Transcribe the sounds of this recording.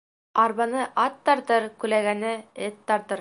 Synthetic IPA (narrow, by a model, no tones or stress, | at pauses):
ɑɾβɑnɤʔɑt̪ːɑɾt̪ɤɾkʉlæɡænɘɘt̪ːɑɾt̪ɤɾ